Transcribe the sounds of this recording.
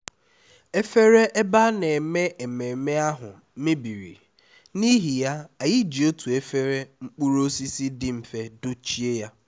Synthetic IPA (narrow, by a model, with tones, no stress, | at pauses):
e˦fe˦ɾe˦ʔe˦ba˦ne˨me˦ʔe˨me˨me˦a˦ɦʊ̰˨˦mɪ˦bi˨ɾḭ˨ | ni˦ɦi˨ja˦a˨jɪ˦d͡ʒi˨o˦tu˨e˦fe˦ɾe˦ŋ͡m̩˦k͡pu˦ɾo˦si˦si˦dɪ˦m̩˨fe˦dʊ˦t͡ʃi˦e˦ja˦